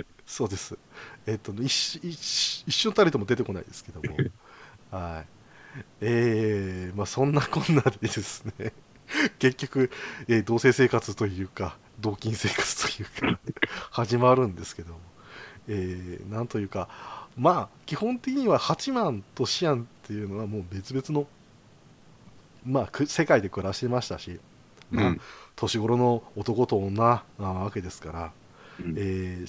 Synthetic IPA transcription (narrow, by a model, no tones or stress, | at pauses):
so̞ːd̪e̞sɨe̞t̪ːonoiɕiɕiɕːonot̪aɾʲit̪o̞mo̞d̪e̞t̪e̞ko̞na̰ḭd̪e̞sɨ̥ke̞d̪o̞mo̞̰ | hai | eːmaːsõ̞nːakõ̞nːad̪e̞d̪e̞sɨ̥ne̞ | ke̞kʲːo̞kɯ̟e̞ːd̪o̞ːse̞ːse̞ːkat͡sɨt̪o̞jɯ̟ːka | d̪o̞ːkʲĩɰ̃se̞ːkḁt͡sɨ̥t̪o̞̥jɯ̟ːkʰahaʑimaɾɯ̟̃nd̪e̞sɨ̥ke̞d̪o̞mo̞eːnãnt̪o̞jɯ̟ːkamaːkʲihõ̞nt̪e̞kʲiɲ̟iβahat͡ɕimãnt̪o̞ɕiãnt̪ːe̞jɯ̟no̞βamo̞ːbe̞t͡sɨbe̞t͡sɨno̞ | maːkɯse̞kaid̪e̞kɯ̟ɾaɕi̥t̪e̞maɕi̥t̪aɕi | maːt̪ʰo̞ɕiɡo̞ɾo̞no̞ːt̪o̞ko̞t̪o̞ːnːanaβake̞d̪e̞sɨ̥kaɾa | eː